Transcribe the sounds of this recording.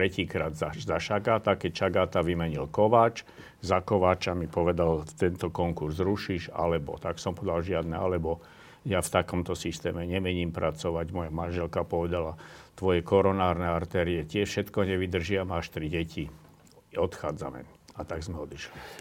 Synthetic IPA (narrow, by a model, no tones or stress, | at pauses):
t̪ɾɛciːkɾaːd̪zazaʃaɡaːt̪akɛcʃaɡaːt̪aʋimɛɲilkɔʋaːt͡ʃ | zakɔʋaːt͡ʃamipɔʋɛd̪alt̪ɛnt̪ɔkɔŋkuɾzɾuʃiːʃa̰lɛbɔ̰t̪aksɔmpɔd̪alʒɪad̪nɛalɛbɔ | jaft̪akɔmt̪ɔsist̪ɛ̰ːmɛɲɛmɛɲiːmpɾʔat͡sɔʋaɟmɔjamanʒɛlkapɔʋɛd̪alat̪ʋɔjɛkɔɾɔnaːɾnɛaɾt̪ɛːɾiɛt̪ɪɛfʃɛt̪kɔɲɛʋid̪r̩ʒɪamaʃt̪ɾiɟɛci | ɔt̪xaːd͡za̰mɛ̰ | at̪aɡzmɛɔd̪iʃli